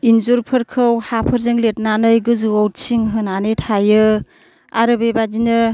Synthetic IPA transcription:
inzuɾpʰɯɾkʰɯwhapʰəɾzeŋlet̚nanɯjɡɯzɯawtsʰiŋɦɯnanetʰajɯ | aɾɯbebadinɯ

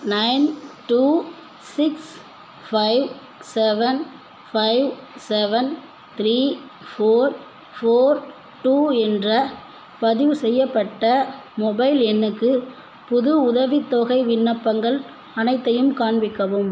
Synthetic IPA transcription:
nɐɪnʈuː | sɪks | fɐɪʋ | sɛʋɐn | fɐɪʋsɛʋɐn | t̪ɪɾiː | foːɾ | foːɾ | ʈuːɛndrɐ | pɐðɪʋɯsɛjːɐpːɐʈːɐmɔbɐɪlɛnːɯkːɯ | pʊðʊʊðɐʋɪt̪ːoːɣɐɪʋɪɳːɐpːɐŋɡɐɭ | ɐnɐɪt̪ːɐjɯmkaːɳbɪkːɐʋɯm

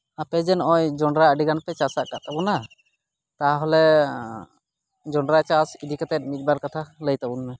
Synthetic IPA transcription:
apɛd͡ʒɛnɔjd͡ʒɔɳɾaəɖiɡanpɛt͡ʃasaʔkaʔt̪abuna | t̪aaɦɔlɛ | d͡ʒɔɳɖɾat͡ʃasid̪ikat̪ɛt̪̚mit̪̚ˀbaɾkat̪ʰaləjt̪abunːɛ

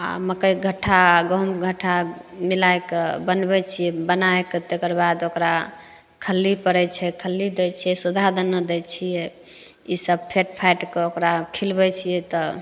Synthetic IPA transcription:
a̰məkəjɡʱəʈʰːaɡəmɡʱəʈʰamilaekebənbɛt͡ʃʰijɛbənaeket̪ekəɾbad̪okɾa | kʰəlːipəɾɛt͡ʃʰɛkʰəlːid̪ɛt͡ʃʰijɛsud̪ʱad̪ənəd̪ɛt͡ʃʰijɛ | isəb̚pʰeʈpʰajʈkeokɾakʰilbɛt͡ʃʰijɛt̪ɔ

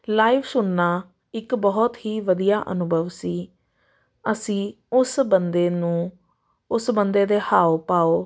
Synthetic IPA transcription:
laːiːʋsʊnːaː | ɪkbɔːt̪ɦiːʋəd̪ijaːʔə̰nʊbʱəʋsiː | əsĩː | ʊsbənd̪eːnũː | ʊsbənd̪eːd̪eːhaːoːpaːoː

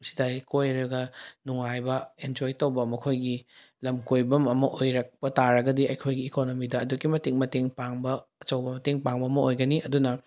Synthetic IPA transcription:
si̥dajkojɐɾɐɡɐnuŋajbɐend͡ʒojtowbɐmɐkʰojɡi | lɐmkojbɐmɐmɐʔojɾɐk̚pɐtaɾɐɡɐdiɐjkʰojɡiːkonomidɐːdukimɐteŋmɐteŋpaŋbɐːt͡ʃɐwbɐmɐteŋpaŋbɐːmɐojɡɐniɐdunɐ

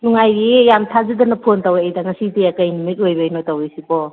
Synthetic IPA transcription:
nuŋajɾijamtʰazadɐnɐpʰontaweajdaŋɐsidiɐkajnumit̚ojbɐjnotawesipɔ

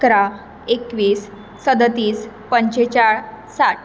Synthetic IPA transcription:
kɾa | ekʋiːsː | əd̪ət̪iːs | pəɲt͡ɕet͡ɕaɭ | saʈ

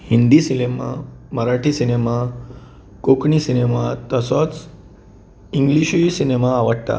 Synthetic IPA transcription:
hind̪isinema̰məɾaʈʰiːsinema | kokɳisinemat̪əsɔt͡s | iŋɡliɕisinemaːʋəɽt̪a̰

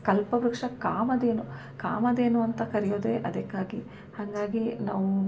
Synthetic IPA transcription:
kɐlpɐbɾɐkʂɐkaːmɐd̪eːnu | ka̰ːmɐd̪e̞ːnuɐnt̪ɐkɐɾijoːd̪eːʔɐd̪ɐkːaːɡi | hɐŋɡaːɡinaːʋu

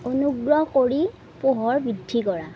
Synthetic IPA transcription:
onuɡɹɔkoɹi | poɦɔɹbɹidʱːikɔɹa

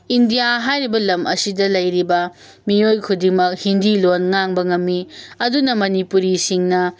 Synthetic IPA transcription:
indijaɦajɾibɐlɐmʔɐ̰sidɐlɐjɾibɐ | miojkʰudiŋmɐk̚hindilonŋaŋbɐŋɐmːiɐdunɐmɐnipuɾisiŋnɐ

